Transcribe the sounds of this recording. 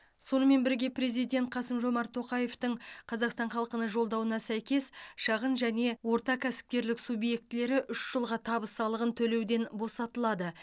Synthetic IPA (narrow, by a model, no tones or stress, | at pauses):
so̞nəme̞nbɪɾɡʲe̞pɾe̞zijd̪ʲe̞nt̪̚qʰɑsəmʒo̞mɑɾt̪ʰo̞qɑje̞ft̪əɴqʰɑzɑqst̪ɑɴχɑlˠəqənəʒo̞lˠd̪ɑwənɑsæjkʲe̞sʃɑʁənʒæne̞wo̞ɾt̪ɑkʲʰæsɪ̥p̚kʲe̞ɾlɪksubje̞k̚t̪ɪle̞ɾɪʔʏʃʒ̥əlˠʁɑt̪ʰɑbəsɑlˠəʁənt̪ʰɵle̞wd̪e̞nbo̞sɑt̪əlˠɑd̪ə